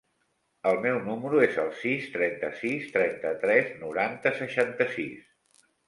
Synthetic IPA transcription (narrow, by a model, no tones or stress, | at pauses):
əlˠmɛwnuməɾuezəlˠsist̪ɾɛnt̪əsist̪ɾɛnt̪ət̪ɾɛznuɾant̪əsəʃant̪əsis